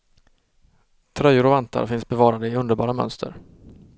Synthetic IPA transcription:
t̪ʰɾœjʊɾɔvant̪a̰ɾfɪnsbɛvɑːɾad̪əɪɵnd̪əɾbɑ̰ːɾamœ̰nst̪ʰə̰ɾ

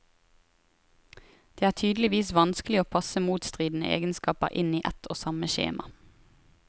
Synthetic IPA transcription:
d̪̥eːæːʈ̪ʰyːd̪l̩ɪʋiːsʋɑnsklɪoːpʰɑsəmuːt̪st̪ʁiːd̪n̩ə̰ʔḛːɡənskɑːpə̰ʁʔɪniːʔɛt̪ʰo̰ːsɑməʃḛːmʔɑ̰

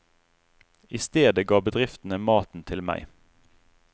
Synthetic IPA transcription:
ɪst̪eːd̪əɡɑːbəd̪ʁɪft̪n̩əmɑːt̪n̩t̪ʰɪlmæ̰ɪ

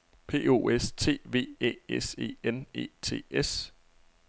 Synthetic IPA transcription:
pʰe̝̰ːo̝ːest͡sʰe̝̰ːʋe̝̰ːḛːese̝̰ːene̝̰ːt͡sʰe̝̰ːes

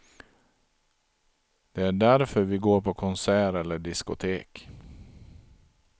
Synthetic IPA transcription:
d̪̥ɛæɖæɾfœɾvɪɡoːɾpʰɔkʰɔnsæːɾɛlːəɖɪskʊ̰t̪ʰeːk

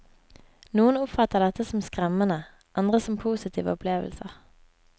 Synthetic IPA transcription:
nuːənʊpfɑt̪əʁd̪ɛt̪əsɔmskʁɛmənə | ʔɑnd̪ʁəsɔmpʰuːsɪt̪ʰḭːʋə̰ɔpʰleːʋə̰lsəʁ

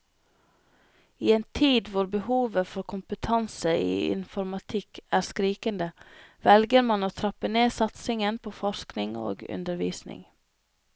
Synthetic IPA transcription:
iːeːnt̪ʰiːd̪ʋʊɾbəhuːʋəfɔɾkʰʊmpət̪ʰɑnsəḭːɪ̰nfɔɾmɑt̪ʰɪkæːɾskɾiːkənd̪əʋɛlɡəɾmɑnoːt̪ʰɾɑpəneːsɑt̪sɪŋənpʰoːfɔʃknɪŋo̰ːɡʉ̰nd̪əɾʋiːsnɪ̰ŋ

